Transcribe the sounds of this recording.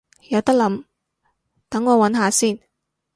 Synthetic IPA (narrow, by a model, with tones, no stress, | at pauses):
jɐ˨˧wt̪ɐ˥k̚lɐ˨˧˥m | t̪ɐ˨˥ŋːɔː˨˧wɐ˨˥nɦaː˨˧siː˥˩n